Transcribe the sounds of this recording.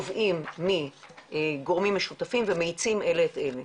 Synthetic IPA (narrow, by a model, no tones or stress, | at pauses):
vʔimːieɡoʁmimːeʃutafimvemeit͡simʔe̞leːt̪ʔele